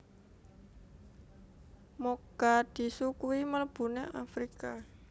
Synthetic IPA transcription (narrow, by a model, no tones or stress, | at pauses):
moɡ̥ad̪̥i̤sukuimələb̥ṳnḛafɾika